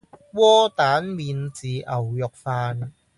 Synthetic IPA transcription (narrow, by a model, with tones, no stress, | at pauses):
wɔː˥t̪aː˨˥nmiː˨˧nt͡siː˨ʔɐ˨˩wjɔ˨k̚faː˧n